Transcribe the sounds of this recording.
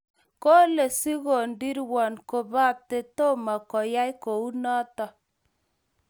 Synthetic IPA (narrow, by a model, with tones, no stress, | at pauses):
ko˦le˨si˦ɣo˨ndi˦ɾwɔ˨nko˨ba˦te˦to˦ma˨kɔ˨ja˦jko˨u˦nɔ˦tɔ˨